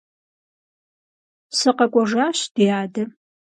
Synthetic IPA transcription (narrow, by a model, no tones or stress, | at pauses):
sɨqɐkʷʼɔʐaːɕd̥ijaːdɨ